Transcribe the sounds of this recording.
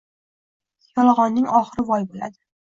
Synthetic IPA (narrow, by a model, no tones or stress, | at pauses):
jɒlˠɑʁɒnːɪŋɒχɨɾɪvɒjbola̰d̪ɪ